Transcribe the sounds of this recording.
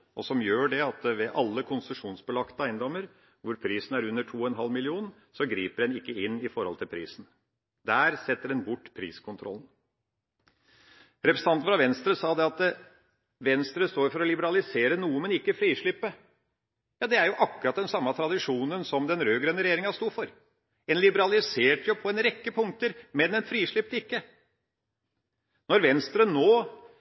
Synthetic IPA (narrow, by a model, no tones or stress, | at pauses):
ʔɔsɔmjøːɖɛɑt̪ʋɛʔɑlːəkʰʊnsəʂuːnsbəlɑkt̪əæɪnd̪ɔmːəɾ | ʋʊɾpʰɾiːsn̩æɾʉnːəʈʰuːɔɛnɦɑlmɪlɪuːn | sɔɡɾiːpəɖɛnɪkːəɪnːɪfɔɾhɔlt̪ʰɪlpʰɾḭːsn̩ | d̪æːɾsɛt̪ːəɖɛnbʊʈːpʰɾḭːskʰʊnt̪ʰɾɔ̰lːn̩ | ɾɛpɾsn̩ɑnt̪n̩fɾɑʋɛnst̪ɾəsɑːd̪ɛɑt̪ | ʋɛnst̪ɾəst̪oːɾfɔɾɔlɪbəɾɑlɪseːɾənuːəmɛnɪkːəfɾiːʂɭɪpːə | jɑːd̪ɛæɾjʊʔɑkːʊɾɑt̪̚d̪ɛnsɑmːət̪ʰɾɑd̪ɪʂuːnənsɔmd̪ɛnɾøːɡɾɛnːəɾɛjeːɾɪŋɑst̪uːfɔɾ | ɛnlɪbəɾɑlɪseːʈʰjʊpʰɔɛnɾɛkːəpʰʊŋ̚t̪əɾmɛnɛnfɾiːʂɭɪp̚t̪əɪkːə | nɔɾʋɛnst̪ɾənoː